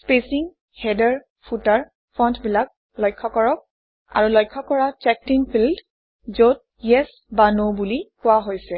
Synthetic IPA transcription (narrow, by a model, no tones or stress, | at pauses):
spesiŋ | hɛdɛɹ | pʰutaɹ | pʰɹɔntʰbilak̚ | lɔjkʰːɔkɔɹɔk̚ | a̰ɹulɔjkʰːɔkɔɹat͡ʃɛk̚tinpʰild | zot̚ | jɛs | banobulikʊwaɦojsɛ